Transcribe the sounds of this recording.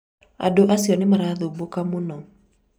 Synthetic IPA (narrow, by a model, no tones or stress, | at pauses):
a̰doʔasiɔnimaɾaðubukamunɔ